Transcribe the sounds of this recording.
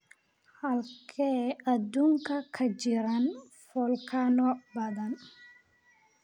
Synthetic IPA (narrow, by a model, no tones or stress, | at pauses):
hɐlkʰɛːɐd̪uːŋkʰɐkʰɐd͡ʒɪɾɐn | fɔlkʰanɔbɐðɐn